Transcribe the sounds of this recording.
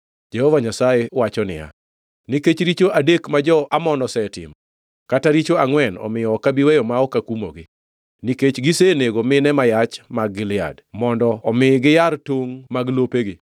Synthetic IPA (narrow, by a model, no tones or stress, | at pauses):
d͡ʒɛhɔvaɲasajewat͡ʃɔnɪ̰ja̰ | niket͡ʃɾit͡ʃoʔadekmad͡ʒɔʔamɔnɔsɛtɪ̰m | kataɾit͡ʃoaŋwɛnɔ̰mɪjɔɔkːabiwejɔmaɔkakumo̰ɡɪ | niket͡ʃɡiseneɡomɪnɛmajat͡ʃmaɡːɪlɪa̰dmɔndɔːmɪɡɪjartoŋmaɡlopeɡɪ